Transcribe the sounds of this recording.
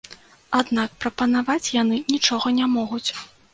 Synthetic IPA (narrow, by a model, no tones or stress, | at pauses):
ad̪nak̚pɾɐpɐnavat͡sʲjanɨnʲit͡ʂɔɣɐnʲamɔɣut͡sʲ